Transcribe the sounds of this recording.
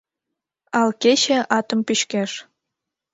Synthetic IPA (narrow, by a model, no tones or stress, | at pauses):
ɑlket͡ɕĕʔɑt̪ə̆mpyɕkæʃ